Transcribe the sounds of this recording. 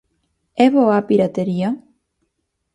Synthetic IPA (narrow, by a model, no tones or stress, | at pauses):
ɛβɔapiɾat̪eɾia